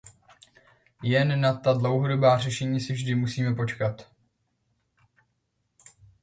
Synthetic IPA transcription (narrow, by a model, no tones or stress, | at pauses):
jɛnːat̪adlowɦodo̞baːrɛʃɛɲiːsɪvʒdɪmusiːmɛpo̞t͡ʃkat̪